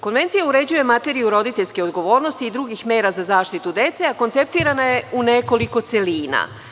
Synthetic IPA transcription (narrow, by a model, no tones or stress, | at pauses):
ko̞nʋe̞nt̪sijauɾe̞d͡ʑuje̞mat̪e̞ɾijuɾo̞d̪it̪e̞ʎʲske̞o̞d̪ɡo̞ʋo̞ːɾno̞st̪iːd̪ɾuɡixme̞ːɾazazaːʃt̪it̪ud̪e̞t̪seako̞nt̪se̞p̚t̪iːɾanaje̞une̞ko̞liko̞t̪se̞liːna̰